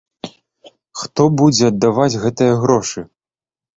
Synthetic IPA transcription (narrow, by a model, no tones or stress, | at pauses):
xt̪ɔbud͡zʲɛɐd̪ːavad͡zʲɣɛt̪ɨjɐɣɾɔʂɨ